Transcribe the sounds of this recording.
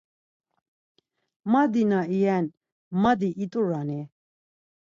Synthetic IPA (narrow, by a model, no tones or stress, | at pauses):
mad̪inaijɛn | mad̪iʔit̪ʼuɾani